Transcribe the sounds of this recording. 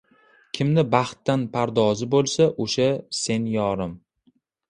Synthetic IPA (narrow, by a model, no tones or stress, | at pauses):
kʲʰɪmnɪbaχt̪ːanpʰaɾd̪ɒzɪbolˠsaʔoʃase̞njɒɾɪm